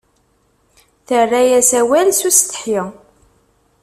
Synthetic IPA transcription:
θərːæjæsæwælsust̪ə̥ħjə

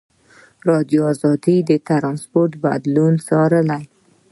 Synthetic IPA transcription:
ɾɑd̪joɑzɑd̪id̪ət̪aɾɑnspoɾt̪bad̪lunsɑɾəlaj

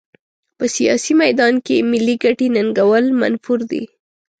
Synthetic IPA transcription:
pəsijɑ̰simajd̪ɑnkemɪlːiɡaʈenaŋɡawəlma̰nfuɾd̪ḭ

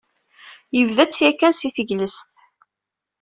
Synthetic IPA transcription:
jəvðæt͡sːjækːænsiθəʝləsθ

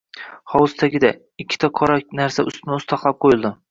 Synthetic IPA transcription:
hɒwʊst̪ʰaɡʲɪd̪a | ɪkʲʰːɪ̥t̪ʰaqʰɒɾanaɾsaʔʊ̰st̪ɪnɪʊst̪ʰɑχlˠap̚qʰojɪlˠd̪ɪ

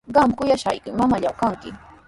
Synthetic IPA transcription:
ɢɑmkʊjaʃa̰jkɪmamaʎawkaŋkɪ

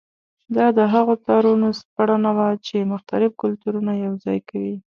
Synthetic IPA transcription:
d̪ɑd̪əɦaɣot̪ɑɾunospaɽanawat͡ʃemʊxt̪aɾɪfkʊlt̪uɾunajawzɑ̰jkawi

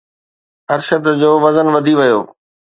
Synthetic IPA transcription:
ɐɾʃəd̪d͡ʑoːʋɐzənʋɐd̪ʱiʋɐjo̰ː

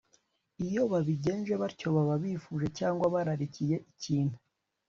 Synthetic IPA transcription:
ijo̞βaβiɟe̞ːnʒe̞βaɾco̞βaβaβifuːʒe̞caːŋɡwaβaɾaɾicije̞ʔiciːnhu

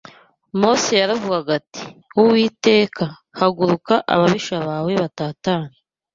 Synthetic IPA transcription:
mo̞sejaɾavuɡaɡati̥wuwiːte̞ːkʰa | haɡuɾukaʔa̰βaβiʃaβaːwe̞βataːtaːni

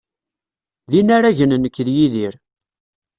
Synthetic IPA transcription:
linaɾæʝənnəkːðjiðiɾ

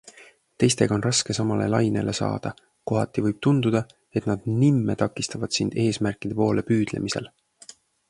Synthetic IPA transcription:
t̪e̞jst̪e̞ɡ̥ɑo̞nrɑske̞sɑmɑle̞̰lɑjne̞lʔe̞sɑ̰ːd̪̥ɑ | ko̞ɦɑt̪ːˑivɯjb̥̚t̪und̪̥ud̪̥ɑ | e̞t̪nɑd̪̥nimːet̪ɑkːˑist̪ɑvɑd̪̥sind̪̥e̞ːsmærkˑid̪̥e̞po̞ːle̞pyːd̪̥lḛmise̞̰l

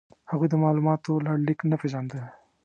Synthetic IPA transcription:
haɣujd̪əmɑlumɑt̪olɑɽlɪknapeʒɑnd̪a

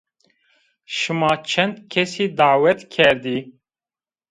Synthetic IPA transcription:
ʃɨmɑːt͡ʃʰɛnd̪kʰɛsiːd̪aːwɛt̪kʲʰɛɾd̪iː

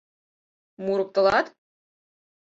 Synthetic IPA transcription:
muɾɤ̆k̚t̪ɤ̆lˠɑt̪

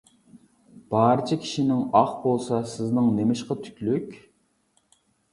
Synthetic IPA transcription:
b̥ɑːɾɨt͡ʃʰɑkʲʰi̥ʃinɪŋɑχbolˠsɑsɪznɨŋnemɪʃqɑt̪ʰy̥kʲlykʲ

